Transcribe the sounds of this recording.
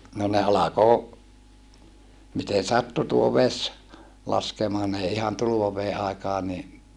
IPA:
no ne ɑlɑko miten̞ sɑtːu tuo ʋes lɑskemɑː n ei ihɑn tuluʋɑʋeː ʔɑˑikɑː ni

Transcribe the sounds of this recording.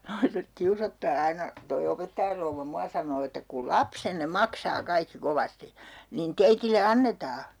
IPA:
nɑiset kiusotːɑː ɑinɑ toi opetːɑjɑr rouʋːɑ muɑ sɑnoː etːæ ku lɑpsenːe mɑksɑː kɑikːi koʋɑsti niːn teitile ɑnːetɑː

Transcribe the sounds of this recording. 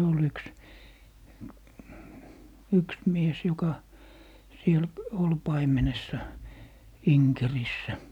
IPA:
ol yks yks mies jokɑ siel ol pɑimenesːɑ iŋkerisːæ

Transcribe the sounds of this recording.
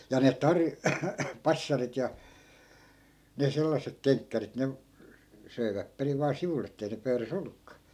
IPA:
jɑ ne tɑrj pɑsːɑrit jɑ ne selːɑsːek keŋkːærit ne søi̯ʋæp periʋ ʋɑː siʋulˑ etːei ne pøyræs olːukːɑː

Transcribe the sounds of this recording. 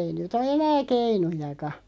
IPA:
ei nyt o enæː keinujɑkɑ

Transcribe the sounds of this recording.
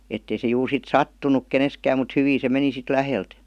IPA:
etːei se juːr sit sɑtːunuk keneskæːm mut hyʋiː se meni sit læhelt

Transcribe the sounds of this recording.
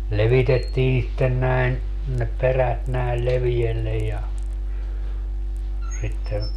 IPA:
leʋitetːiː sitːen næin ne peræt næil leʋielːej jɑ sitːe

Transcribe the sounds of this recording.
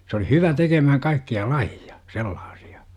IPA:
s oli hyʋæ tekemæhæŋ kɑikːiɑ lɑjiɑ selːɑːsi̥ɑ̥

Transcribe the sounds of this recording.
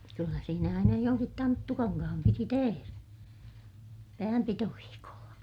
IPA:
kylːæ siːnæ ɑinɑ joŋkit tɑntːukɑŋkɑhɑm piti teheræ pæːmpitoʋiːkolːɑ

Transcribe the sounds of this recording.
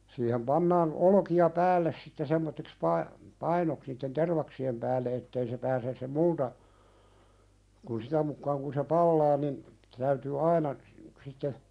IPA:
siːhem pɑnːɑːn olŏkiɑ pæːlːes sitːe semːotːiks pɑipɑinoks niːtːen terʋɑksiem pæːlːe etːei se pæːses se multɑ kun sitæ mukːɑːŋ kun se pɑlːɑː nin tæytyː ɑinɑ sitːe

